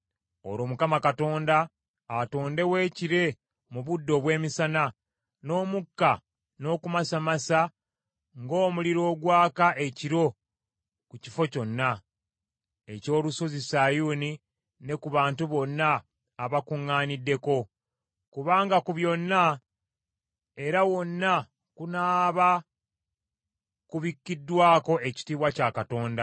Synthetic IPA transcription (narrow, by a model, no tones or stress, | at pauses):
o̰ɾo̞ːmukamakato̞ːndaː | to̞ːnde̞we̞ːciɾe̞ | muβudːo̞βwe̞ːmisana | no̞ːmukːa | no̞ːkumasamasa | ŋɡo̞ːmuliɾo̞ːɡwaːkaʔe̞ciɾo̞ | kuci̥fo̞co̞nːa | e̞co̞ːluso̞zisajuːni | ne̞kuβaːntuβo̞nːaː | βakuŋːaːnidːe̞ko̞ | kuβaːŋɡakuβjo̞nːa | e̞ɾawo̞nːa | kunaːβa | kuβikːidːwaːko̞ʔe̞ci̥tiːβwacaːkato̞ːnda